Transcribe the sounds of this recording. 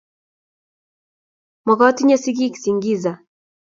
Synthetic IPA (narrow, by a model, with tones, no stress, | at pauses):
mɔ˨kɔ˦ti˦ɲa˦si˦ɡ̬i˦ki̥si˨ŋɡi˦za˨